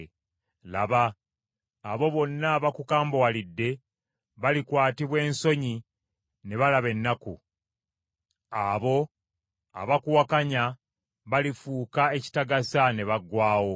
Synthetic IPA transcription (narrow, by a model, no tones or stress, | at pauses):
la̰βaː | βo̞βo̞nːaβakukaːmbowalidːe̞ | βalikwaːtiβwe̞ːnso̞ɲi | ne̞βalaβe̞nːaku | aβo̞ | a̰βakuwakaɲa | βalifuːkae̞ci̥taɡasane̞βaɡwaːwo̞